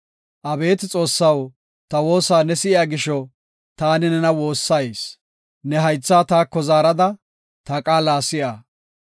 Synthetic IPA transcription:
ʔɐbe̞ːt̪ɪt͡sʼo̞ːsːɐw | t̪ɐwo̞ːsaːnɛsɪʔɪjaːɡɪʃɔ | t̪aːnɪnɛnɐwo̞ːsːɐjs | nɛɦɐjt͡sːaːt̪aːkːɔzaːɾɐd̪ɐ | t̪ɐkʼaːlaːsɪʔaː

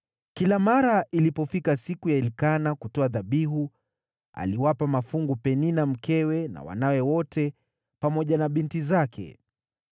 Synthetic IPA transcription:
kilamaɾaʔilipɔfikasikujaɛlikanakutɔaðaɓiɦu | a̰liwapamafuŋɡupɛninam̩kɛwɛna̰wa̰nawɛwɔtɛ | pamɔʄanaɓintizakʰɛ̰

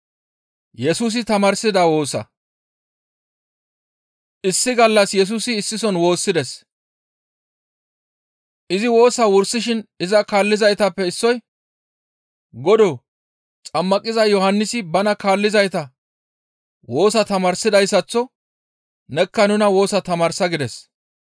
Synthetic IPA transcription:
jɛsuːs̬ɪt̪ɐmɐɾsɪd̪awo̞ːsɐ̰ | ʔɪsːɪɡɐlːɐsjɛs̬uːsɪːsːɪsɔnwo̞ːsːɪd̪ɛs | ʔɪzɪwo̞ːsɐwʊɾsːɪʃɪnɪzɐkaːlːɪzɐjt̪ɐpːɛɪsːɔj | ɡɔd̪ɔː | t͡sʼɐmːɐkʼːɪzɐjjɔhɐnːɪsɪbɐnɐkaːlːɪzɐjt̪ɐ | wo̞ːsɐt̪ɐmaɾsɪd̪ɐjsːɐt͡sːɔ | nɛkːɐnʊnɐwo̞ːsɐt̪ɐmaːɾsɐɡɪd̪ɛs

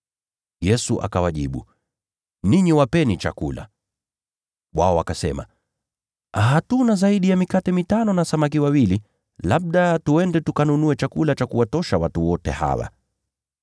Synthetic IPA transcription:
jɛsuʔa̰kawaʄḭɓṵ | niɲiwapɛnit͡ʃa̰kula̰ | wa̰ɔakasɛ̰ma̰ | ɦatunazaiɗijamikatɛmitanɔnasamak̬iwawili | laɓ̚ɗatuɛndɛtukanunuɛt͡ʃakulat͡ʃakuwatɔʃawatuwɔtɛ̰ha̰wa̰

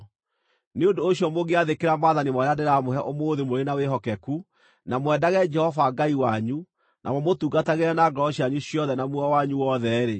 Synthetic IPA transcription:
neondoːɕjɔmoɣeaðekeɾamaðanimɔɾeadeɾamoɦɛʔomoːðemoɾenaweɦɔkɛku | namwɛdaɣɛd͡ʒɛhɔvaɡaiwaɲu | nʔa̰mɔmotuɡataɣeɾɛnaɡɔɔɕjaɲuɕiɔðɛnamuɔwaɲuwɔðɛɾe

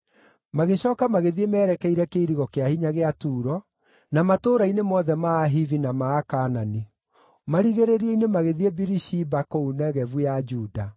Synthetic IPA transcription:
maɣeɕɔːkamaɣeðiemɛːɾɛkɛiɾɛkeiɾiɣɔkeahiɲaɣeatuːɾɔ | namatoːɾainemɔðɛmaːɦivinamaːkanani | maɾiɣeɾeɾiɔinemaɣeðiebiɾiʃibakounɛɣɛvujad͡ʒuːda

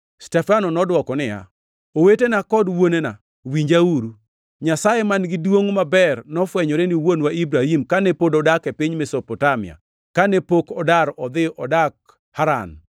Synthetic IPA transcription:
stɛfanɔnɔdwɔkɔnɪja̰ | owetenakɔdwonena | wiɲd͡ʒauɾu | ɲasajemanɡɪdwoŋmabɛrnɔfwɛɲɔɾeniwonwaibɾahimkanepodɔdakepiɲmesɔpɔtamɪ̰a̰ | kanepokɔdaɾɔd̪ɪʔɔdak̚ | haɾa̰n

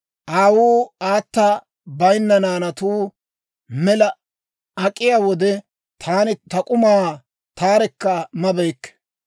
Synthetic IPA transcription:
ʔaːwuːaːt̪ːɐ | bɐjnːɐnaːnɐt̪uː | mɛlɐ | ɐkʼːɪjaːwɔd̪ɛ | t̪ʰaːnɪt̪ɐkʼʊmaː | t̪aːɾɛkːɐmɐbɛjkːɛ̥

